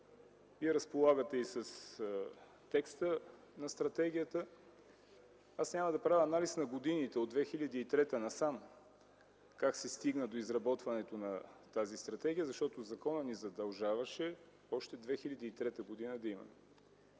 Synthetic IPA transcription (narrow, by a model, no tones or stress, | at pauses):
viɛɾɐspolˠaɡət̪ɛisəs | t̪ɛkst̪ə | nɐst̪ɾɐt̪ɛɡʲijət̪ə | asnʲaməd̪ɐpɾavʲəːnalisnɐɡod̪init̪ɛod̪vɛxilʲɐd̪iːt̪ɾɛt̪ənɐsam | kaksɛst̪iɡnəd̪oizɾɐbɔt̪vɐnɛt̪onɐt̪azist̪ɾɐt̪ɛɡʲiəzɐʃt̪ɔt̪ozɐkɔnənizɐd̪ɐlˠʒavɐʃɛ | ɔʃt̪ɛd̪vɛxilʲɐd̪iːt̪ɾɛt̪əɡod̪inəd̪ɐimɐ̰mɛ